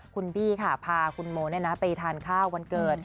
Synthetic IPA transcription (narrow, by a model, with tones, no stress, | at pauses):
kʰu˧nbiː˥˩kʰa˥˩pʰaː˧kʰu˧nmoː˧˦naː˥˩na˦˥pa˧jt̪ʰaː˧nkʰaː˥˩wːa˧nkɤː˨˩t̪̚